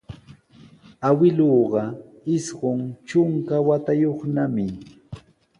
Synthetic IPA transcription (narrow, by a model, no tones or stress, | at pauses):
awɪloːɢɑ | ɪsɢʊŋt͡ʃʊŋkawat̪ajoχnamɪ